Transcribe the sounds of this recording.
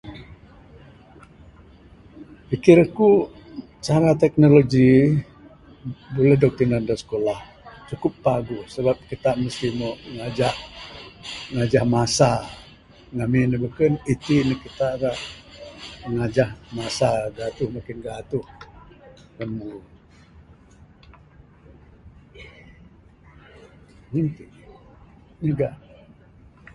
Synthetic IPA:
pikiɾku | t͡ʃaɾat̪ɛk̚noloɡi | bulɛdɔk̚t̪inandasə̥kolah | t͡ʃukʊpːaɡusəbap̚kit̪aʔməst̪ihmoŋad͡ʒah | ŋad͡ʒahmasa | ŋaminəbəkənit̪inəkit̪aʔɡaʔ | ŋad͡ʒahmasaɡat̪ʊhməkinɡat̪ʊh | kənmu | nint̪i | nəɡaʔ

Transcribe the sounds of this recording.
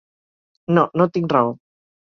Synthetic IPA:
nɔnɔt̪iŋɾaw

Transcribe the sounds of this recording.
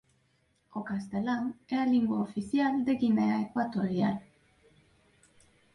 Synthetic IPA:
kokast̪elaŋealiŋɡwaofiθjald̪eɣineaekwat̪oɾjal

